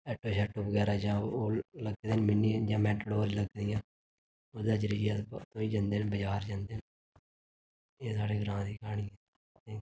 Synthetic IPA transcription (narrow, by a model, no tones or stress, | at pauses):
ɛːʈoːʃɛːʈoːbəɡɛːɾaːd͡ʒãːoːləɡd̪eːnmɪniːd͡ʒãːmɛːʈəɽoːɾiləɡd̪ɪjãː | oːd̪aːd͡ʒɾiat̪õːiːd͡ʒãːnd̪eːnbəd͡ʒaːɾd͡ʒãːnd̪eːn | eːsaːɽeːɡəɾãːd̪iːkʰaːɽ̃iːɛ | eː